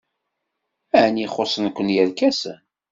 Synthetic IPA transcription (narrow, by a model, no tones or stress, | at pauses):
æniχosˤənkʷːənjælkæs